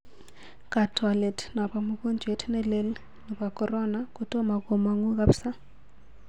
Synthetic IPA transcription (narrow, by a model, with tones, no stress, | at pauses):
ka˨tʰwa˨le˨tna˨pa˨mu˦ko˦nd͡ʒʱwe˨˦tʰnɛ˦le˦l | nu˨ba˨kɔ˦ɾɔ˦na˨ko˦tɔ˦ma˨ko˨ma˨ŋu˦ka˦psa˦